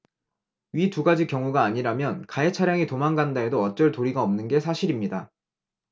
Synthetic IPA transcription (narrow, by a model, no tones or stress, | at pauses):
ɥituɡad͡ʑikjʌŋuɡaːɲiɾamjʌnkaet͡ɕʰaɾjaŋitomaŋɡandaedoʌt̚t͡ɕ͈ʌɭtoɾiɡaʌmnɯnɡe̞sʰaɕʰiɾimɲida